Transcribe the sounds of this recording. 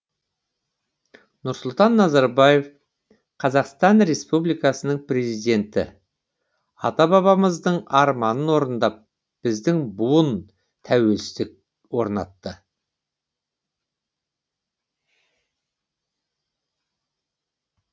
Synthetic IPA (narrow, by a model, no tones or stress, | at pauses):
nʊɾsʊlˠt̪ɑnːɑzɑɾbɑje̞f | qʰɑzɑqst̪ɑnɾe̞spublijkɑsənəɴpre̞zijd̪e̞nt̪ɪ̰ | ɑ̰t̪ɑbɑβɑməzd̪əɴɑɾmɑnənwo̞ɾənd̪ɑp̚ | b̥ɪzd̪ɪŋbuən | t̪ʰæwe̞lsɪzd̪ɪk̚ | wo̞ɾnɑ̰t̪ːə